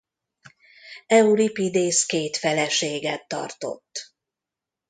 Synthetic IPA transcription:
ɛuɾipid̪eːskeːt̪fɛlɛʃeːɡɛt̪ːɒ̰rt̪o̞̰t̪ː

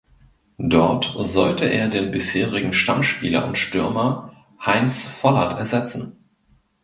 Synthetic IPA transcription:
d̥ɔɐtzɔltəʔeːɐdeːnbɪsheːʁɪɡŋ̩ʃtamʃpḭːlɐ̰ʊntʃtʏɐmɐ | haɪnsfɔlɐtʰɛɐzɛt͡sn̩

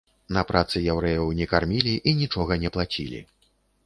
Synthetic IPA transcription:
nɐpɾat̪sɨjawɾɛjɐwnʲɛkarmʲilʲiʔinʲit͡ʂɔɣɐnʲɛplˠat͡sʲilʲḭ

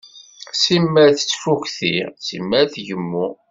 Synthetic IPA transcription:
simːæɾθə̥t͡sːfukθisḭmːæθʝəmːu

